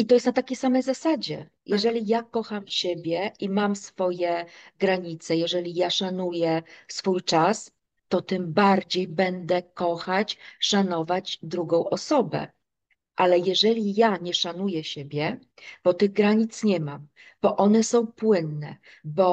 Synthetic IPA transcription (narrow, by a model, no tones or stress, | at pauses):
it̪ɔjɛst̪nat̪akʲejsamɛjzasad͡ʑɛ̰ | jɛʐɛlʲijakɔxamɕebʲjɛʔimamsfɔjɛɡɾaɲit̪sɛjɛʐɛlʲijaʂanujɛsfujt͡ʂas | t̪ɔt̪ɘmbaɾd͡ʑejbɛnd̪ɛkɔxat͡ɕʂanɔvad͡ʑd̪ɾuɡɔ̃w̃ʔɔsɔbɛ̰ | ʔalɛjɛʐɛlʲijaɲɛʂanujɛɕebʲjɛ | b̥ɔt̪ɘɣɡɾaɲit̪sɲɛmam | b̥ɔʔɔnɛsɔ̃w̃pwɘnːɛ | bɔ